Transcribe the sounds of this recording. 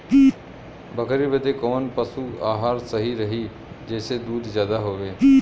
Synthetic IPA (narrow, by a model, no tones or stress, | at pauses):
bəkɾibəd̪ekoːnpəsuaːɦaːɾsɐɦiɾɐɦi | d͡ʒɛːsed̪uːd̪zjaːd̪aɦoːʋeː